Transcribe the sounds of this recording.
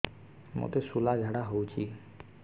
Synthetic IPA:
mo̰t̪esulad͡ʑʱaɽaɦowt͡ɕʰi

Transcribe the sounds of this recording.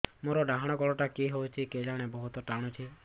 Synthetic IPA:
moɾɔɖaɦaɽ̃ɔkɔɭɔʈakiɦowt͡ʃʰiked͡ʒaɽ̃ebɔɦut̪ɔʈaɽ̃ɔt͡ʃʰi

